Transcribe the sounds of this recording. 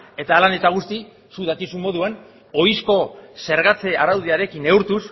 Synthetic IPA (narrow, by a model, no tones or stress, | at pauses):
e̞t̪alane̞t̪aɣ̞ust̪i | suðakisummo̞ðuan | o̞jsko̞se̞ɾɣat͡seaɾawðiaɾe̞kine̞uɾt̪us